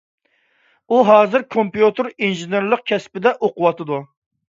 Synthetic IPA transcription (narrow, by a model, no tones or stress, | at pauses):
uɦɑːzɪɾkʰompjut̪ʰɨɾinʒineɾlˠəq̚kʲʰɛspɪd̪ɛʔoqʊwɑt̪ɨd̪u